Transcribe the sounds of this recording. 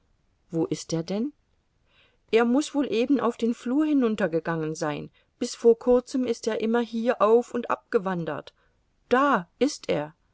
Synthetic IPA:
voːʔɪsteːɐdɛn | ʔeːɐmʊsv̥oːlʔeːbn̩aʊfd̥eːnfluːɐɦɪnʊntɐɡəɡaŋənzaɪn | b̥ɪsfoːɐkʰʊɐt͡səmɪsteːɐʔɪmɐɦiːɐʔaʊfʊntʔa̰p̚ɡ̥əvandɐ̰t | d̥aːʔɪstʔeːɐ

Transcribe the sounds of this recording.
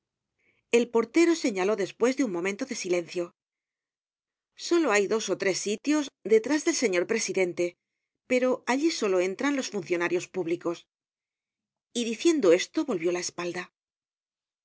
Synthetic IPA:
e̞lpo̞ɾt̪e̞ɾo̞se̞ɲalo̞ðe̞spwe̞zðeuŋmõ̞mẽ̞nt̪o̞ðe̞sile̞nθjo̞ | so̞lo̞ajðo̞so̞t̪ɾe̞sːit̪jo̞zd̪e̞t̪ɾazðe̞lse̞ɲo̞ɾpɾe̞siðe̞nt̪e̞ | pe̞ɾo̞ʔaʎiso̞lo̞e̞nt̪ɾanlo̞sfunθjo̞naɾjo̞spuβliko̞s | iðiθje̞nd̪oe̞st̪o̞βo̞lβjo̞laespald̪a

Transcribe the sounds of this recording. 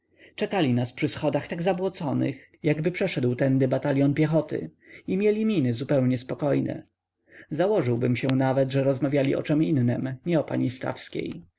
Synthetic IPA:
t͡ʂɛkalʲinaspʂɘsxɔd̪axt̪aɡzabwɔt̪sɔnɘ̰xjaɡbɘpʂɛʂɛd̪wt̪ɛnd̪ɛbat̪alʲjɔnpʲjɛxɔt̪ɘ̰imʲjɛlʲimʲinɘzupɛwɲɛspɔkɔjnʔɛ̰ | zawɔʐɘwbɘmɕɛ̃navɛd̪ʐɛɾɔzmavʲjalʲiʔɔ̰t͡ʂɛminːɛmɲɛɔpa̰ɲist̪a̰fskʲḛj

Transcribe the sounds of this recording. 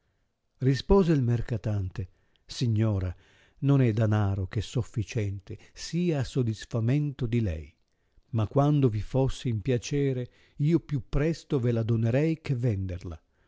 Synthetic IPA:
rispoːzeilmerkat̪ant̪e | siɲːɔːɾa | nonɛd̪anaːɾok̟esːofːit͡ʃɛnt̪esiːaːsod̪isfament̪od̪ilɛ̰j | makːwand̪ovifosːɪimpjat͡ʃɛːɾe | iːopjupːɾɛst̪ovelad̪oneɾɛjkevɛnd̪erla̰

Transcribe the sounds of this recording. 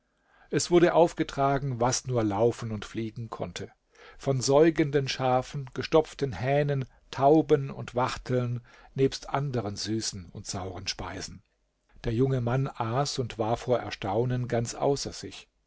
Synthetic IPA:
ʔɛsv̥ʊɐdəʔaʊfɡ̥ətʁ̥aːɡŋ̩vasnuːɐlaʊfn̩ʊntfliːɡŋ̩kʰɔ̰ntʰə | fɔnzɔʏɡəndənʃaːfn̩ɡ̥əʃtɔp͡ftənhɛːnən | tʰaʊbənʊ̰ntv̥aχtʰl̩n | neːpstʔandəʁənzyːsn̩ʊntz̥aʊʁənʃpa̰ɪzn̩ | d̥eːɐjʊŋəmanʔaːsʊntv̥aːɐfoːɐʔɛ̰ɐʃtaʊnənɡant͡sʔa̰ʊsɐz̥ɪç

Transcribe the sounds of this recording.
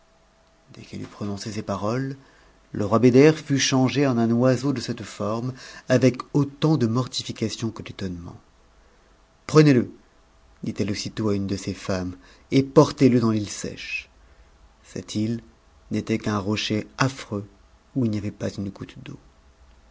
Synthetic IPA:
d̪ɛ̰kɛ̰ly̰pχɔnɔ̃sesepaʁɔlː | əʁwabed̪ɛʁfyʃɑ̃ʒeɑ̃nɛ̃nwazod̪əsɛt̪fɔʁmavɛkot̪ɑ̃d̪əmɔʁt̪ifikasjɔ̃kəd̪et̪ɔnmɑ̰̃ | pχənelə | d̪̥it̪ɛlosit̪oaynd̪əsefam | epɔʁt̪eləd̪ɑ̃lilsɛ̰ʃ | sɛ̰t̪ʰil | net̪ɛkɛ̃ʁɔʃeafχø | uilnjavɛpazynɡut̪d̪o̰

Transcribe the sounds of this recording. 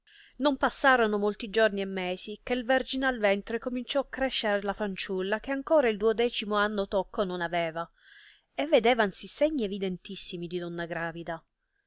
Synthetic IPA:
nompasːaːɾonomolt̪id͡ʒorniemːeːsikelverd͡ʒinealvɛnt̪ɾekomint͡ʃɔakːɾɛʃːeɾelafant͡ʃulːak̟eaŋkoːɾaild̪uod̪ɛːt͡ʃimoanːot̪okʰːononavɛːva | evːed̪ɛːvansiseɲːievid̪ent̪isːimid̪id̪ɔnːaɡɾaːvid̪a

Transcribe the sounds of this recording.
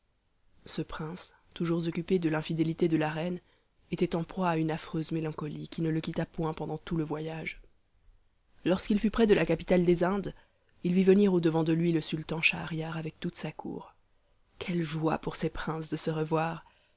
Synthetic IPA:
səpχɛ̃s | t̪uʒuʁzɔkʲyped̪əlɛ̃fid̪elit̪ed̪əlaʁɛn | et̪ɛt̪ɑ̃pχwaːynafχøzmelɑ̃kɔlikʲinələkʲit̪apwɛ̃pɑ̃d̪ɑ̃t̪uləvwajaʒ | lɔʁskilfypχɛd̪əlakapi̥t̪ald̪ezɛ̃d̪ | ilvivəniʁod̪əvɑ̃d̪əlɥiləsylt̪ɑ̃ʃaʁjaʁavɛk̚t̪ut̪sakʰṵːʁ | kʲʰɛlʒwa̰puʁsɛpχɛ̃sd̪əsəʁəvwaːʁ

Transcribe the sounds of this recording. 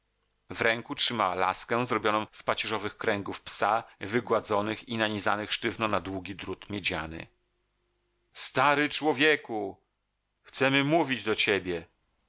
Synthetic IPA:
vɾɛŋkutʂɘmawala̰skɛ̃zɾɔbʲjɔnɔ̃w̃spat͡ɕɛʐɔvɘxkɾɛŋɡufpsavɘɡwad̪zɔnɘxinaɲiza̰nɘxʂtɘvnɔnad̪wuɡʲid̪ɾut̪mʲjed͡ʑa̰nɘ̰ | st̪aɾɘt͡ʂwɔvʲjeku | xt̪sɛmɘmuvʲid͡ʑd̪ɔt͡ɕebʲjɛ

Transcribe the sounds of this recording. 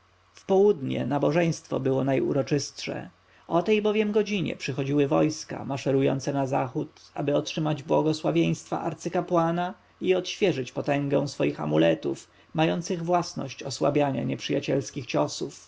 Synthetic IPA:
fpɔwud̪ɲɛ̰nabɔʐɛj̃st̪fɔ̰bɘwɔnajṵɾɔt͡ʂɘst̪ʂɛ̰ | ɔt̪ɛjbɔvʲjɛmɡɔd͡ʑiɲɛ̰pʂɘxɔd͡ʑiwɘvɔjska̰maʂɛɾujɔ̰nt̪sɛnaza̰xut̪a̰bɘɔtʂɘmad͡ʑbwɔɡɔswavʲjej̃st̪fa̰ʔaɾt̪sɘkapwana | iɔt̪ɕfʲjɛʐɘt͡ɕpɔt̪ɛŋɡɛ̃w̃sfɔjixa̰mulɛt̪uf | majɔnt̪sɘɣvwasnɔ̰ɕt͡ɕɔswabʲjaɲa̰ɲɛpʂɘjat͡ɕɛlskʲixt͡ɕɔsuf

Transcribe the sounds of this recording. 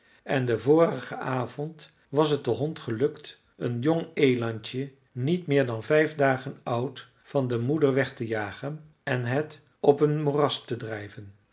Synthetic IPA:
ɛndəvʊːrəχəaːv̥ɔnt | ʋɑs̬ət̚dəɦɔntχəlɵkt | ənjɔŋejlɑntə | nitmɪːɹdɑnvɛjvdaːχənʌwt | fɑndəmudəɹʋɛχtəjaːχən | ɛnɦət | ɔpənmorɑstədrɛjvən

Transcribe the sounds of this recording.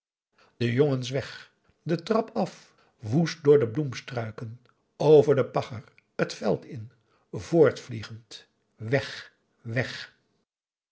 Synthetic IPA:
dəjoŋənsʋɛχ | dətrɑpɑf | ʋustdʊːɹdəblumstrœɥkən | owvəɹdəpɑχər | ətfɛ̰lˠtɪn | voːɹtfliχənt | ʋɛχ | ʋɛχ

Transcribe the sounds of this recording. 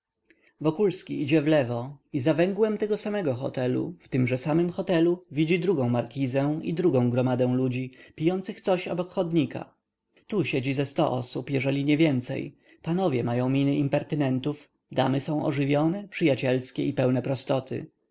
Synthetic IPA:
vɔkulskʲiid͡ʑɛvlɛvɔizavɛŋɡwɛmt̪ɛɡɔsamɛɡɔxɔ̰t̪ɛlṵft̪ɘmʐɛsamɘmxɔt̪ɛluvʲid͡ʑid̪ɾuɡɔ̃w̃maɾkʲizɛḭd̪ɾuɡɔ̃w̃ɡɾɔmad̪ɛ̃w̃lud͡ʑipʲijɔnt̪sɘxt̪sɔɕɔ̰bɔkxɔd̪ɲika̰ | t̪uɕɛd͡ʑizɛst̪ɔ̰ʔɔ̰supjɛʐɛlʲiɲɛvʲjɛnt̪sɛ̰j | panɔvʲjɛmajɔ̃w̃mʲinɘʔimpɛɾt̪ɘnɛnt̪uf | d̪a̰mɘsɔ̃w̃ʔɔ̰ʐɘvʲjɔnɛpʂɘjat͡ɕɛlskʲɛipɛwnɛpɾɔst̪ɔt̪ʰɘ̰

